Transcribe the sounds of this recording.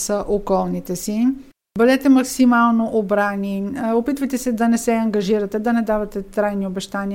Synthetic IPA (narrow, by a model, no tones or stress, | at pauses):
səʔokɔlˠnit̪ɛsi | bəd̪ɛt̪ɛmɐksimalˠnoʔobɾaniopit̪vəjt̪ɛsɛd̪ɐnɛsɛɐŋɡɐʒiɾɐt̪ɛd̪ɐnɛd̪avɐt̪ɛt̪ɾajniobɛʃt̪ani